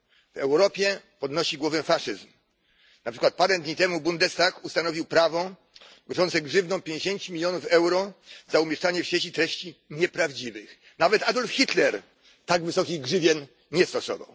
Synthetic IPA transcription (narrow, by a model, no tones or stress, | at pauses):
v̥ɛwɾɔpʲjɛpɔd̪nɔɕiɡwɔvɛfaʂɨzm | napʂɘkwat̪̚paɾɛnd̪ɲit̪ɛmubund̪ɛst̪akust̪anɔvʲiwpɾavɔ | ɡɔʐɔnt̪sɛɡʐɘvnɔ̃w̃pʲjeɲd͡ʑeɕeɲt͡ɕumʲilʲjɔnufɛwɾɔzaumʲjɛʂt͡ʂaɲɛfɕjʲet͡ɕit̪ɾɛɕt͡ɕiɲɛpɾavd͡ʑivɘx | navɛt̪ad̪ɔlfxʲit̪lɛɾ | t̪aɡvɘsɔkʲiɡʐɘvʲjɛn | ɲɛst̪ɔsɔ̰va̰w